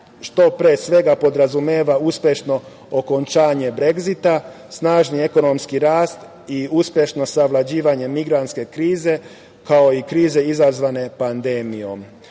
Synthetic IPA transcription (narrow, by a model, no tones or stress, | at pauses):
ʃt̪o̞pɾeːsʋe̞ɡapo̞d̪ɾazumeːʋauspʲje̞ʃno̞ | okont͡ʃaːɲe̞bɾe̞ɡzit̪a | snaːʒnie̞ko̞no̞mskiɾaːst̪ | iuspʲje̞ʃno̞saʋlˠad͡ʑiːʋaɲe̞miɡɾant̪ske̞kɾiːze̞ | kao̞ikɾiːze̞izazʋane̞pand̪e̞ːmijo̞m